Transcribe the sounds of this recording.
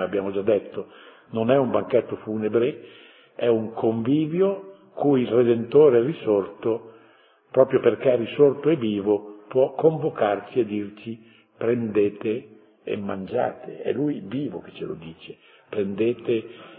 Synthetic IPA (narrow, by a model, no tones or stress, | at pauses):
eabːjaːmod͡ʒad̪ːɛt̪ːo | nonɛumbaŋkɛt̪ːofuːnebɾe | ɛuŋkʰoɱviːvjo | kujilred̪ent̪oːɾeɛrisort̪o | pɾɔːpɾjoperkɛrisort̪oɛvːiːvopwɔkːoɱvokart͡ʃiad̪ːirt͡ʃi | pɾend̪eːt̪ḛː | mːand͡ʒa̰ːt̪ʰeɛ̰lujviːvoke̥t͡ʃːelo̰d̪iːt͡ʃe̥ | pɾend̪eːt̪e